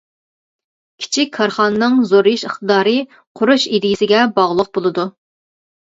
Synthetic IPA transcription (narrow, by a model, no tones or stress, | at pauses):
kʲʰi̥t͡ʃʰikʲkʰːɑɾχɑnɨnɨŋzoɾjiʃəχt̪əd̪ɑːɾɨ | qʰʊɾuʃid̪ɪjisɪɡʲɛbɑʁlˠəq̚bolˠɨd̪u